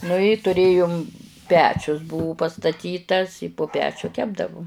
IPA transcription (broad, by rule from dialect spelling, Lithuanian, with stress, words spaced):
nʊ ɪ tʊˈrʲeːjʊm ˈpʲæːt͡ʃʲʊs ˈbʊʋʊ pɐstɐˈtʲiːtɐs ɪ pʊ ˈpʲæːt͡ʃʲʊ ˈkʲæːbdɐʋʊ